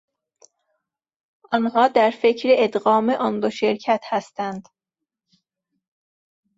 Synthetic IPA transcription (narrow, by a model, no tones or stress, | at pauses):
ʔɒnhɒːd̪æɾfe̞cʰɾeed̪ɣɒːmeʔɒnd̪oʃeɾcʰæt̪hæst̪ænd̪̥